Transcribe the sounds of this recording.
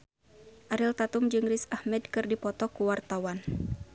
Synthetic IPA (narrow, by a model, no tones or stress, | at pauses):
ʔaɾilt̪at̪umd͡ʒɨŋrɪsahmɛdkɨrdipɔt̪ɔkuwart̪awan